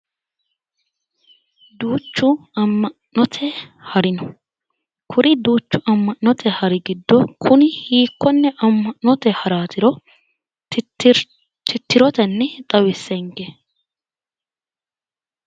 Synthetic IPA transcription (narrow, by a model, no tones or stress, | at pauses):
d̪uːt͡ʃːʊɐmːɐnːɔt̪ʰɛhɐɾɪnɔ | kʰʊɾɪd̪uːt͡ʃːʊʔɐmːɐnːɔt̪ʰɛhɐɾɪɡɪd̪ːɔkʰʊnɪhiːkːɔnːɛʔɐmːɐɔt̪ɛhɐɾaːt̪ɪɾɔ | t̪ɪt̪ːɪɾɔt̪ɛnːɛt̪ʼɐwɪsːɛŋɡɛ